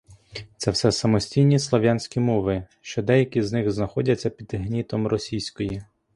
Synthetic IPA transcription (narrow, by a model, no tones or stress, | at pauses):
t̪sɛwsɛsɐmɔsʲtʲijnʲislˠɔʋʲjanʲsʲkʲimɔʋɪ | ʃt͡ʃɔd̪ɛjɐkʲiznɪxznɐxɔdʲɐt͡sʲːɐpʲid̪ɦnʲit̪ɔmrɔsʲijsʲkɔji